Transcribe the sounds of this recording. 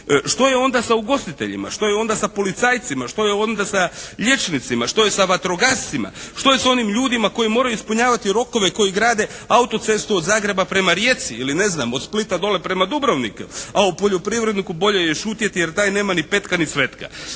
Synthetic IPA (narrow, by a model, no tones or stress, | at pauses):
ʃt̪o̞jeo̞nd̪asauɡo̞st̪it̪e̞̰ʎḭma̰ʃt̪o̞jeo̞nd̪asapo̞lit̪saːjt̪simaʃt̪o̞jeo̞nd̪asaʎe̞t͡ʃnit̪simaʃt̪o̞je̞saʋat̪ɾoɡast̪sima̰ʃt̪o̞je̞so̞nimʎuːd̪imako̞jimo̞ːɾajuispuɲaːʋat̪iɾo̞ko̞ʋe̞ko̞jiɡɾaːd̪e̞aut̪o̞t̪se̞st̪uod̪zaːɡɾe̞bapɾe̞maɾje̞t̪siiline̞znaːmot̪split̪ad̪o̞le̞pɾe̞mad̪ubɾoʋnḭkaupo̞ʎo̞pɾiʋɾe̞d̪nikubo̞ʎejeʃuːt̪je̞t̪ijeɾt̪aːjne̞ːmanipe̞t̪kanisʋe̞t̪ka̰